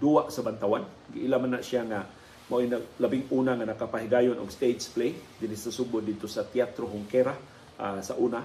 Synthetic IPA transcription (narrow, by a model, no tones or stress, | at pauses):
duaʔsabant̪awan | ɡiʔilamanaʔsiaŋa | mainaɡlabɪŋunaŋanakapaɦiɡajʊnʊ̰ɡst̪ed͡ʒplejd̪ɪnisasubʊt̪dɪd̪̚t̪ʊsat̪iat̪ɾoɦʊŋkɛɾa | ʔasaʔuna